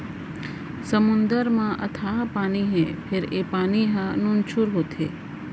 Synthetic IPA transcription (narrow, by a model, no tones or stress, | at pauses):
səmʊnd̪əɾmãʔə̰t̪ʰapaːniɦẽpʰɪɾepaːniɦãnũnt͡ʃʰuɾɦot̪ʰḛ